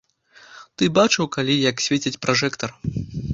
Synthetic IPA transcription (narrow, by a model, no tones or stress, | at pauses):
t̪ɨbat͡ʂɨwkalʲijɐksʲvʲet͡sʲit͡sʲpɾaʐɛkt̪ɐr